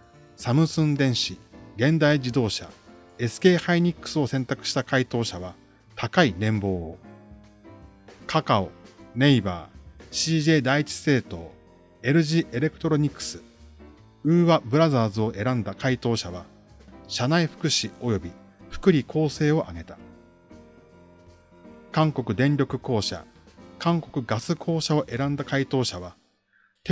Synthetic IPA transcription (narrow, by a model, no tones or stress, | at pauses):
samɯ̟sɨ̃nd̪ẽ̞ɰ̃ɕiɡẽ̞nd̪aid͡ʑid̪o̞ːɕa̰ | e̞sɨ̥ke̞ːhaiɲ̟ikːɯ̟̥sɨo̞sẽ̞nt̪akɯ̟ɕi̥t̪akait̪o̞ːɕaβa | t̪ʰakainẽ̞mbo̞ː | kʰakaone̞iba̰ːɕiːʑe̞ːd̪ait͡ɕi̥se̞ːt̪o̞ː | e̞ɾɯ̟ʑiʔe̞ɾe̞kɯ̟̥t̪o̞ɾo̞ɲ̟ikːɯ̥sɨ̥ | ɯ̟ːβabɯ̟ɾazaːzɨo̞ʔe̞ɾãnd̪akait̪o̞ːɕaβ̞a | ɕanaiɸɯ̥kɯ̟ɕio̞jo̞bʲi | ɸɯ̟̥kɯ̟ɾʲikʰo̞ːse̞ːo̞ʔaɡe̞t̪a | kãŋko̞kɯ̟d̪ẽ̞nɾʲo̞kɯ̟ko̞ːɕa̰ | kãŋko̞kɯ̟ɡasɨkʰo̞ːɕao̞ʔe̞ɾãnd̪akait̪o̞ːɕaβ̞a | t̪